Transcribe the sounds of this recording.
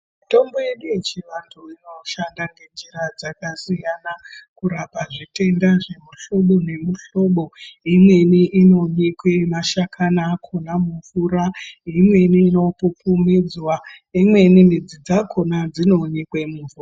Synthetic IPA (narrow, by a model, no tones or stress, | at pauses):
mito̞mbo̞je̞ɗuje̞t͡ʃiʋantʰuino̞ʃandaŋɡe̞nd͡ʒiɾad͡zakasijanakuɾapaʐite̞ndaʐe̞muɬo̞ɓo̞ne̞muɬo̞ɓo̞imwe̞niʔino̞ɲekwe̞maʃakʰanaːkʰo̞namuvuɾaimwe̞niːno̞pupumid͡zwaimwe̞nimid͡zid͡zakʰo̞nad͡zino̞ɲekwemuvuːra